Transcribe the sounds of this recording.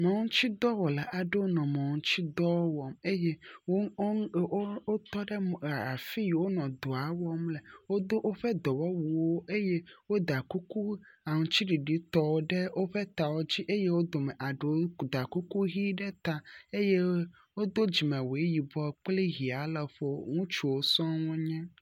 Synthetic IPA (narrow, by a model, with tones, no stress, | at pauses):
mɔ̃˨ŋũ˦t͡ɕi˦d̪ɔ˦wɔ˨la˨ʔa˨ɖe˦wo˦nɔ̃˨mɔ̃˨ŋũ˦t͡ɕi˦d̪ɔ˦wo˦wɔ˨me˦je˦o˦ | o˦t̪ɔ˦ɖe˦˨fi˦˨wo˦nɔ̃˨d̪o˨a˨wɔ˦mle˨wo˦d̪o˦ʔo˦ɸɛ˦d̪ɔ˨wɔ˦wu˨wo˦ʔe˦je˦wo˦d̪a˨ku˦ku˦ | a˨ŋũ˨t͡ɕi˦ɖi˨ɖi˨˦t̪ɔ˦wo˦ɖɛ˦wʔo˦ɸɛ˦t̪a˨wo˦d͡ʑi˦ʔe˦je˦wo˦d̪o˨mɛ˨ʔa˨ɖe˨wo˦d̪a˨ku˦ku˦ɦi˦ɖɛ˦t̪a˨e˦je˦ | wo˦d̪o˦d͡ʑi˨mɛ̃˨we˦ji˨bɔ˦k͡ple˦ɦi˨a˨lɛ˨ɸo˦ŋũ˦t͡ʃu˨wo˦sɔ̃˦wo˦ɲɛ̃˦